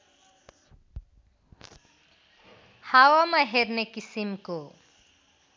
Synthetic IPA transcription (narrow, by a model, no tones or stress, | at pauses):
hawamaɦeɾnekisimko